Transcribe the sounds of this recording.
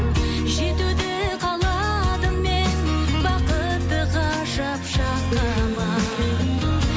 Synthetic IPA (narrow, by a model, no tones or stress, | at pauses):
ʒet̪ud̪ɪqʰɑlˠɑ | d̪əmmenbɑqə | b̪ɪʁɑ | ʃɑpʃɑq̚t̪ɑɾmɑ